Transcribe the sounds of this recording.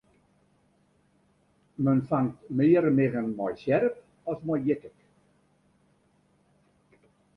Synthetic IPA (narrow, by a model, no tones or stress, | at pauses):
mənfaŋtmiːəɾəmeɣənmɔjsɛɾəp | ɔsmɔjjɪtɪk